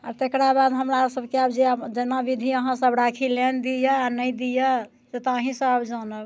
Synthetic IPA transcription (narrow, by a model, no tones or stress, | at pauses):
aɾt̪ekɾabad̪ɦəmɾasəbʱkeabd͡ʒed͡ʒenabid̪ʱiəɦãsəbɾakʰilend̪ijəanəjd̪ijə | set̪əɦĩsə̃abd͡ʒanəb